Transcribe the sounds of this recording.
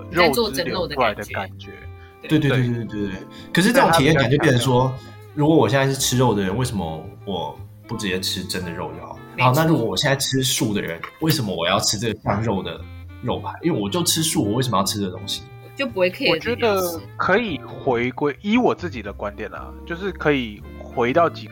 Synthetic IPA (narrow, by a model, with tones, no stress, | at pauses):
ɻo˥˧wɔ˥˧ə˥no˥˧˩d̪ə˧ka˨˩nt͡ɕɛ˧˦˥ | we˥˧ɪt̪we˧˥˧t̪̬wt̪t̪we˥˧˩we˥˩ | kʰə˨˩ʂɻ̩˥˧ʈ͡ʂɤ˥˩ʊ˧ŋʰi˨jɛ˥˩ŋka˨˩t͡ɕo˥˧jɛ˥˩ə˧˩ʂwɔ˥ | ɻu˧˥kwɔ˧˥wɔ˨˩ɕjɛ˥˧nt͡sa˥˧ɪʂ̩˥˩ʈ͡ʂʰɻ̩˥ɻo˥˩ʊd̪ə˩ɻə˧˦nwe˥˩ɪʂə˧˥mə̰˧wɔ˨˩ | pu˥˩ʈ͡ʂɻ̩˨˩jɛ˧˥ʈ͡ʂʰɻ̩˥ʈ͡ʂə˦˥nd̪ə˨ɻo˥˧ʊjo˥˩xɑ̰˨˩˦na˥˨ɻu˦˥kwɔ˧˩wɔ˨˩jɛ˥˧nt͡sa˥ɪʈ͡ʂʰɻ̩˥ʂu˥˩d̪ə̰˩ɻə̰˧˦nwe˥˩ɪʂə˧˥mə˦wɔ˨˩jɑ˥ʊʈ͡ʂʰɻ̩˥ʈ͡ʂɤ˥˩ɡə˩ʂa˥˧ŋɻo˥˩ʊd̪ə̰˩ | ɻo˥˩ʊpʰa˧˥˦ʔwe˥˩wɔ˨˩t͡ɕjo˥˩ʊʈ͡ʂʰɻ̩˥ʂu˥˩wɔ˨˩we˥˩ʂə˧m˧jɑ˥˩ʊʈ͡ʂʰɻ̩˥ə˩o̰˥ŋɕi̥˨ | t͡ɕo˥ʊpu˧˥xwe˥˩ɪkʰə˧˥wɔ˨t͡ɕɛ˧˥d̪ə˧kʰɤ˧˥i˨˩xwe˧˥ɪkwe˥˩ɪi˧˥wɔ˨˩t͡sɹ̩˥˩t͡ɕi˨˩d̪ə˦kwa˦nt̪jɛ˨˩nlɐ̰˩t͡ɕjo˥˧ʊʂɻ̩˥˩kʰɤ˧˥i˨˩ | xwe˧˥ɪt̪ɑ˥˩ʊt͡ɕi˨˩